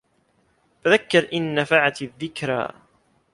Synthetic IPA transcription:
taðakːɑɾˤʔɪnːafaʕat̪ðːɪkɾa̰

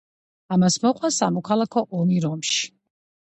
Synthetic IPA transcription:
amasmɔqʼwasamɔkʰalˠakʰɔʔɔmiɾɔmʃi̥

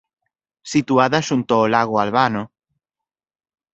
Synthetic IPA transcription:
sit̪uaðaʃunt̪oolaɣ̞oalβano

